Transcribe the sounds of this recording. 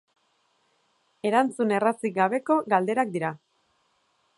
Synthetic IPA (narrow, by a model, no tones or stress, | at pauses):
e̞ɾant͡sune̞rat͡siɡaβ̞e̞ko̞ɣald̪e̞ɾak̚d̪iɾa